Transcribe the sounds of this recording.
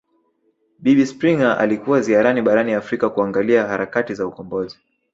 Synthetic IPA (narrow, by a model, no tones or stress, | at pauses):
ɓiɓispɾiŋaʔa̰likuwaziaɾaniɓaɾaniafɾikakuaŋɡaliahaɾakatizaukɔmbɔzi